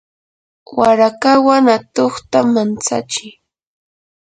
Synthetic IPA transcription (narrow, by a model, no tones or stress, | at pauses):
waɾakawanat̪oχt̪amant͡sa̰t͡ʃɪj